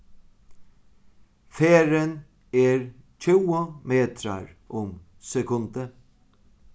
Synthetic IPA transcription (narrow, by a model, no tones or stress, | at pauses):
feːɾən | ɛɹt͡ʃʰɪːəmeːt̪ʰɾa̰ɹʊm | sɛkʰʊnd̪ə